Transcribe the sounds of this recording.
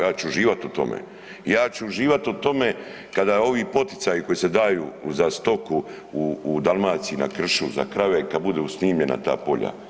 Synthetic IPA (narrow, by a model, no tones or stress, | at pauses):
jaːt͡ʃuuʒiːʋat̪ut̪o̞̰mḛ | jaːt͡ɕuːʒiːʋat̪ut̪o̞me | kad̪ao̞ʋiːpo̞t̪i̥t̪sajiko̞jise̞d̪aːjuːzast̪o̞ku | uːd̪alˠmaːt̪siina̰kr̩ʃuza̰kɾaʋekad̪̚bud̪eusniːmʎe̞na̰t̪a̰ːpo̞̰ʎa̰